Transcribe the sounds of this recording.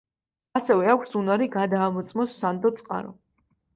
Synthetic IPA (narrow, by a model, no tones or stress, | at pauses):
asɛvɛakʷʰsunaɾiɡad̪aːmɔt̪sʼmɔsːand̪ɔt̪sʼqʼa̰ɾɔ̰